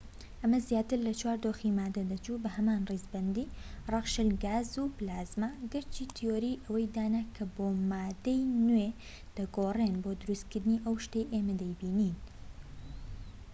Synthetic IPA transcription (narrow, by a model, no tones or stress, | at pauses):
ʔɐmɐzjaːt̪ɨɾlɐt͡ʃʰwaːɾd̪oːximaːd̪ɐd̪ɐt͡ʃubɐhɐmaːnrizbɐnd̪iːrˤɑʁʃɨlɡaːzuplaːzmaɡɐɾt͡ʃit̪ʰijoːɾiːʔɐwɐjd̪aːnakʰɐboːmaːd̪ejnwe | d̪̥ɐɡoːrenbod̪ʊɾust̪̚kɨɾd̪ɨniːʔɐwʃt̪ejʔeːmɐd̪ɐjbiːniːn